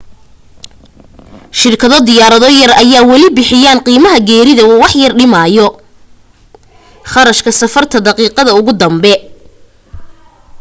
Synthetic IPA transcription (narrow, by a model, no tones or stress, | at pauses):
ʃɪrkʰɐðɔd̪ɪjaːɾɐðɔjɐrɐjaːwɐlɪbɪħɪjaːnqiːmɐɦɐɡɛːɾɪðɐuwɑħjɐrɖɪmaːjɔ | χɑɾɐʃkʰɐsɐfɐrt̪ʰɐd̪ɐqiːqɐðɐʊɣʊd̪ɐmbɛ